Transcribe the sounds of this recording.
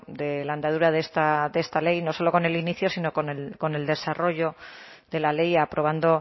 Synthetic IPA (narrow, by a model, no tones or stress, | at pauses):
d̪e̞laend̪að̞uɾaðest̪aðest̪ale̞jno̞so̞lo̞ko̞ne̞liniθjosino̞koneko̞ne̞ld̪e̞saro̞ʝo̞ðe̞lale̞japɾo̞β̞and̪o̞